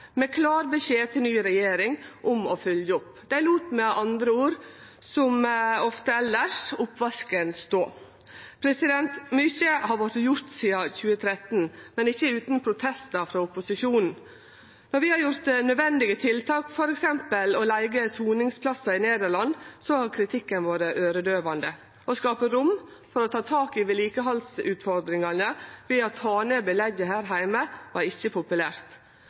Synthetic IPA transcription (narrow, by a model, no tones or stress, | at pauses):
mɛkʰlɑːɾbəʃeːt̪ʰɪlnyːɾɛjeːɾɪŋʔʊmɔfœljəʊpː | d̪̥æɪluːt̪mɛʔɑnd̪ɾəuːɾ | sɔmɔft̪əɛlːəʂʊpːʋɑskənst̪oː | pʰɾɛsɪd̪ɛnt̪mʏçəhɑɾʋɔɾjʊɾt̪siːɑçʉːət̪ʰɾɛt̪n̩mɛnɪçːəʉːt̪npʰɾʊt̪ʰɛst̪ɑfɾɑːʊpʊsɪʂuːnn̩ | nɔɾʋɪhɑɾjʊɾt̪nœʋɛnd̪ɪɡət̪ʰɪlt̪ʰɑːkfɔɾɛksɛmpəlɔlæɪɡəsuːnɪŋspʰlɑsːɑɪneːd̪əɾɭɑnsɔhɑɾkʰɾɪt̪ʰɪkːənʋoːɾəʔøːɾəd̪øːʋɑnd̪ə | ɔskɑːpəɾʊm | fɔɾɔt̪ʰɑːt̪ʰɑːkɪʋɪliːkəɦɑlsʉːt̪fɔɾd̪ɾɪŋɑnəʋɪɑt̪hɑːneːbɪlɛɡəhæːɾɦæɪməʋɑɾɪçːəpʰʊpʉlæːɾt̪